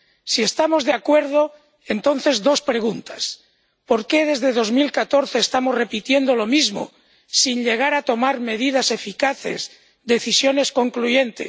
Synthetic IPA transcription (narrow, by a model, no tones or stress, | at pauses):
sie̞st̪amo̞zðeakwe̞ɾð̞o̞ | e̞nt̪o̞n̟θe̞zdo̞spɾe̞ɣ̞unt̪as | po̞ɾke̞ð̞e̞zðe̞ðo̞zmilkat̪o̞ɾθe̞ːst̪amo̞zre̞pit̪je̞nd̪o̞lo̞mizmo̰ | sinʎe̞ɣ̞aɾat̪o̞maɾme̞ðið̞ase̞fikaθe̞̰z | d̪e̞θisjo̞ne̞sko̞ŋkluʝe̞nt̪ḛ